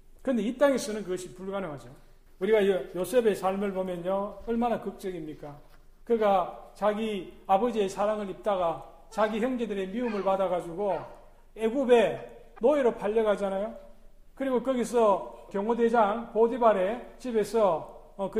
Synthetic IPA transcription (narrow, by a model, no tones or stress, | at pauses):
kɯndeip̚t͈aŋesʰʌnɯnkɯɡʌɕʰipuɭɡanɯŋɦad͡ʑo | uɾiɡajjosʰe̞be̞sʰaɭmɯɭpomjʌnɲoʌɭmanakɯk̚t͡ɕ͈ʌɡimɲik͈a | kɯɡat͡ɕaɡiabʌd͡ʑiesʰaɾaŋɯɾip̚t͈aɡa | t͡ɕaɡiçjʌŋd͡ʑe̞dɯɾe̞miumɯɭpadaɣad͡ʑuɡo | e̞ɡube̞ | noiɾopʰaʎːʌɣad͡ʑanajo | kɯɾiɡokʌɡis̬ʰʌkjʌŋode̞d͡ʑaŋpodibaɾe̞t͡ɕibe̞sʰʌː | k